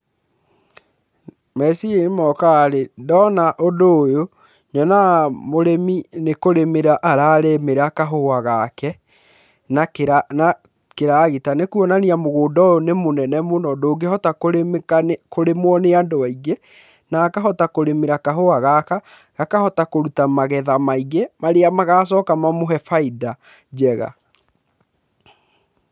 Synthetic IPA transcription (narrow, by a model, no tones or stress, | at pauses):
mɛsieemɔkaːɾedɔnaʔondoːjo | ɲɔnamoɾeminekoɾemeɾaʔaɾaːɾemeɾakaɦoaɣakɛ | nakeɾana | keɾaːɣetanekuɔnaniamoɣoːdɔjonemonɛnɛmonɔdoːɡehɔtakoɾemekankoɾemwɔneandoaiɡe | nakaɦɔtakoɾemeɾakaɦoaɣaka | ɣakahɔtakoɾutamaɣɛðamaiɣemaɾeamaɣaːs̬ɔːkamamoɦɛfaida | d͡ʑɛɣa̰